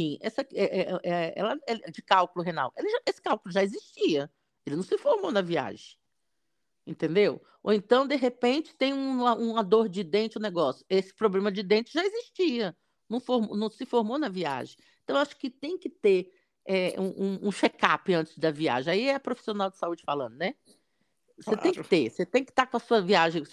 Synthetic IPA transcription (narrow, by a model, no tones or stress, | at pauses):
fĩɛsɐɛʔɛʔɛɛ̰lɐɛd͡ʒɪkawkʊlʊɦena̰welɪʒaesɪ̥kawkʊlʊʒaeziʃt͡ʃiɐ | elɪnɐ̃w̃sɪfoɾmonɐvia̰ʒẽj̃ | ẽt̪ẽnd̪ew | o̰ẽnt̪ɐ̃w̃d̪eɦepẽnt͡ʃɪ̥t̪ẽj̃ũɐũɐd̪oɾd͡ʒɪd̪ẽnt͡ʃɪãneɡɔsjʊesɪ̥pɾoblẽmɐd͡ʒɪd̪ẽnt͡ʃɪʒaeziʃt͡ʃiɐ | nɐ̃w̃foɾmonɐ̃w̃sɪfoɾmonɐvia̰ʒẽj̃t̪ɐ̃w̃ewaʃʊ̥kɪt̪ẽj̃kɪt̪eɾ | ɛũʔũũʃekapɪɐ̃nt͡ʃɪ̥zd̪ɐvia̰ʒẽj̃aiɛpɾofi̥sionawd͡ʒɪsaud͡ʒɪfalɐ̰̃nd̪ʊnɛ | setẽj̃kɪt̪eset̪ẽj̃kɪ̥t̪aɾkõɐsuɐviaʒẽj̃